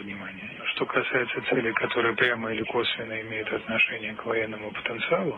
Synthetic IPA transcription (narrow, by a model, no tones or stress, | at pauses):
vnʲɪmanʲɪjəʂt̪o̞kʰɐsajɪt̪sət̪sɛlʲɪjkɐt̪o̞ɾɨjəpɾʲaməɪlʲɪko̞svʲɪnːəɪmʲejʊt̪ɐt̪nɐʂɛnʲɪjəkvɐjenːəmʊpə̥t̪ənt̪sɨalˠʊ